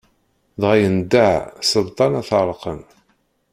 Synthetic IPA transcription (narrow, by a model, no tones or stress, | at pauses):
ðʁajənd̪aʕsəðt̪ˤːɑnæθəɾˤqən